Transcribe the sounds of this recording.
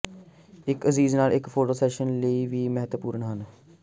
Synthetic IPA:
ɪkəziːznaːlɪkfʰoːʈoːsɛːʃənləiːʋiːmɛɦət̪əpuːɾəɳɦən

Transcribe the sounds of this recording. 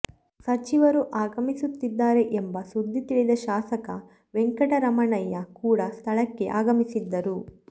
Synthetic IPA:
sɐt͡ʃiʋɐɾuʔaːɡɐmisut̪ːid̪ːaːɾe̞ʔembɐsud̪ːit̪iɭid̪ɐʃaːsɐkɐ | ʋeŋkɐʈɐɾɐmɐɳɐjːɐkuːɽɐst̪ʰɐɭɐkːe̞ʔaːɡɐmisid̪ːɐɾu

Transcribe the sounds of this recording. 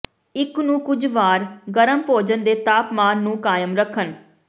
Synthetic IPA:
ɪknũːkʊd͡ʒʋaːɾɡəɾəmpoːd͡ʒənd̪eːt̪aːpmaːnːũːkaːjəmɾəkʰːən

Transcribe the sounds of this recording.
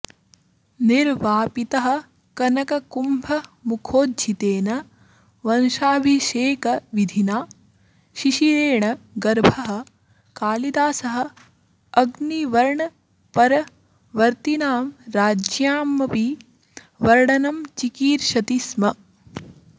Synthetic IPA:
niɾʋaːpit̪ɐɦɐ̆ | kɐnɐkɐkumbʱɐmukʰoːdd͡ʒit̪eːnɐ | ʋɐnʃaːbʱiʃeːkɐʋid̪ʱinaː | ʃiʃiɾeːɳɐɡɐɾbʱɐɦɐ̆ | kaːlid̪aːsɐɦɐ̆ | ɐɡniʋɐɾɳɐ | pɐɾɐ | ʋɐɾt̪inaːmɾaːd͡ʒjaːmːɐpi | ʋɐɾɽɐnɐmt͡ʃikiːɾʃɐt̪ismɐ

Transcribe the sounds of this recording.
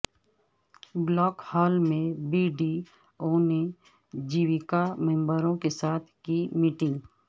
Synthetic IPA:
blɔːkhɔːlmẽbiːɖi | oːne | d͡ʒiːʋɪkamɛ̃mbəɾõkesaːt̪ʰkimiːʈɪ̃ĩŋɡ

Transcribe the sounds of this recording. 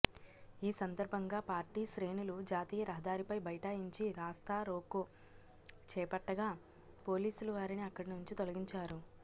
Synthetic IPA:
iːsɐnd̪ɐɾbʱɐŋɡaːpaːɾʈiːʃɾe̞ːnulud͡ʒaːt̪iːjɐɾɐɦɐd̪aːɾipɐjbɐjɐʈaːjiɲt͡ʃiɾaːst̪aːɾo̞ːko | t͡ʃɛːpɐʈːɐɡaː | po̞ːliːsuluʋaːɾiniɐkːɐɽinuɲt͡ʃit̪olɐɡiɲt͡ʃaːɾu

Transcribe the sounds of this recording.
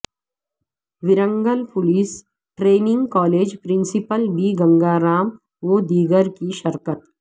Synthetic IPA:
ʋɪɾə̃ŋɡəlpʊliːs | ʈɾeːnɪ̃ŋɡkɔːleːd͡ʒpɾɪ̃nsɪpəlbiɡɐ̃ŋɡaːɾaːm | ʋod̪iːɡəɾkiʃɐɾkət̪

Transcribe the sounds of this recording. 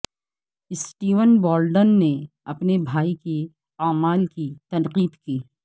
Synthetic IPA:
ɪsʈiːʋənbɔːlɖənːe | ɐpnebʱaːiki | aːmaːlkit̪ɐ̃nqiːd̪kiː

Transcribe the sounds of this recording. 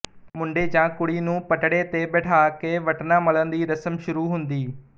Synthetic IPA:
mʊ̃ɳɖeːd͡ʒãːkʊɽiːnũːpəʈɽeːt̪eːbeːʈʰaːkeːʋəʈnãːmələnd̪iːɾəsəmʃʊɾuːɦʊnd̪iː

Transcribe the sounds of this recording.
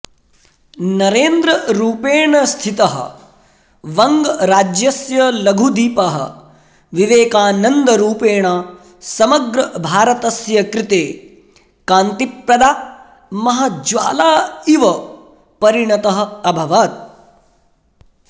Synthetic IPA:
nɐɾeːnd̪ɾɐɾuːpeːɳɐst̪ʰit̪ɐɦɐ̰ | ʋɐŋɡɾaːd͡ʒjɐsjɐlɐɡʱud̪iːpaɦɐ̰ | ʋiʋeːkaːnɐnd̪ɐɾuːpeːɳaː | sɐmɐɡɾɐbʱaːɾɐt̪ɐsjɐkɾɪt̪eː | kaːnt̪ipɾɐd̪aː | mɐɦɐ̆d͡ʒʋa̰ːlaːiʋɐ | pɐɾiɳɐt̪ɐɦɐ̆ɐbʱɐʋaːt̪̚

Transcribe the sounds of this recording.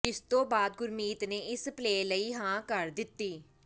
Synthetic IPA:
ɪst̪õːbaːd̪̚ɡʊɾmiːt̪neːɪspleːləiːɦãːkəɾd̪ɪt̪ːiː

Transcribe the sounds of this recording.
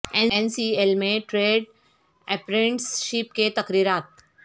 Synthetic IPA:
eensielmẽʈɾeːɖ | ɛpɾẽɳʈsʃip̚ket̪ɐkɾiːɾaːt̪̚

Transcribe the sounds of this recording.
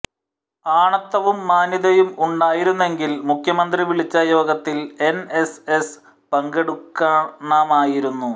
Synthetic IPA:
aːɳɐt̪ːɐʋumːaːniðɐjumuɳɖaːjiɾunːe̞ŋɡilmukʰjɐmɐnd̪riʋiɭit͡ɕːɐjo̞ːɡɐt̪ːile̞ne̞ses | pɐŋɡeɽukːaːɳaːmaːjiɾunːu

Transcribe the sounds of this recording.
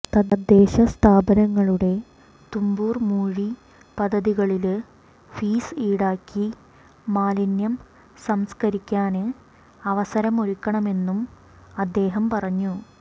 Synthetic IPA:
t̪ɐd̪ɐd̪ːe̞ːɕɐst̪ʰaːbɐnɐŋːɐɭuɽe̞ | t̪umbuːrmuːɻi | pɐd̪ʱːɐðiɣɐɭil | fiːsiːɽaːkːi | maːlinjɐm | sɐmskɐɾikʲːaːnɨ | ɐʋɐsɐɾɐmoɾikʲːɐɳɐme̞nːum | ɐd̪ːe̞ːɦɐmpɐrɐɲːu

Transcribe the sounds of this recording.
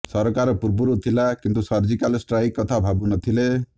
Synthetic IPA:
sɔɾɔkaɾɔpuɾbuɾut̪ʰilakint̪usɔɾd͡ʒikalsʈɾajkːɔt̪ʰabʱabunɔt̪ʰile

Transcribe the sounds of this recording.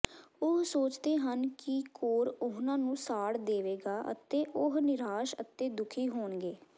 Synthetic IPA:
ʊɦsoːt͡ʃd̪eːɦənkɪkoːɾʊɦnãːnũːsaːɽd̪eːʋeːɡaːʔə̰t̪eːʔʊɦnɪɾaːʃət̪ːeːd̪ʊkʰiːɦoːɳɡeː

